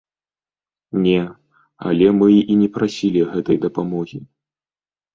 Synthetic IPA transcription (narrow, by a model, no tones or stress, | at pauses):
nʲɛ | ɐ̰lʲɛmɨʔinʲɛpɾasʲilʲiɐɣɛt̪ɐjd̪ɐpamɔɣʲi